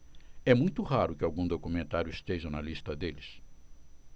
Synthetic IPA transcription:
ɛmũj̃t̪ʊɦaɾʊkɪawɡũd̪okumẽnt̪aɾjʊist̪eʒɐnɐlist̪ɐd̪elɪs

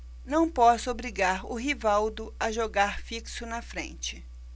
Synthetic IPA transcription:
nɐ̃w̃pɔsʊobɾiɡaɾʊɦivawd̪ʊɐʒoɡaɾfiksʊnɐfɾḛ̃nt͡ʃɪ

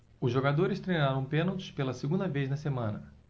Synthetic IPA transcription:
ʊzʒoɡad̪oɾɪst̪ɾejnaɾɐ̃w̃pẽnowt̪ʊ̥spelɐsiɡũnd̪ɐvejznɐsemɐ̃nɐ

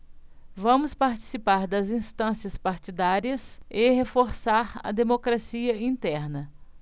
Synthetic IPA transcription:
vɐ̃mʊspaɾt͡ʃi̥sipaɾd̪ɐzĩst̪ɐ̃siɐspaɾt͡ʃid̪aɾiɐsɪɦefoɾsaɾɐ̰d̪emokɾasiɐĩnt̪ɛɾnɐ

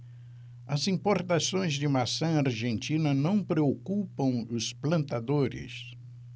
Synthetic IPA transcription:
ɐzĩmpoɾt̪asõj̃zd͡ʒɪmasɐ̃aɾʒẽnt͡ʃĩnɐnɐ̃w̃pɾeokupɐ̃w̃ʊsplɐ̃nt̪ad̪oɾɪ̰s

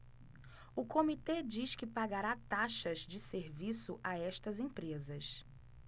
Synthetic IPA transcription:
ʊkomit̪ed͡ʒiʃkɪpaɡaɾat̪aʃɐzd͡ʒɪseɾvisʊʔaɛʃt̪ɐzẽpɾezɐs

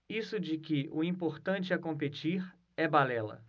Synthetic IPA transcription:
isʊd͡ʒɪkɪʔʊĩpoɾt̪ɐ̃nt͡ʃɪɐkõpet͡ʃiɾ | ɛbalɛlɐ̰

